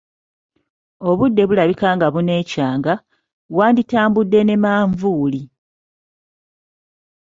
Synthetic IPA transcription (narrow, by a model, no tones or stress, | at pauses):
o̞βudːe̞βulaβikaːŋɡaβune̞ːcaːŋɡa | βwaːnditaːmbudːe̞ne̞maːɱvuːli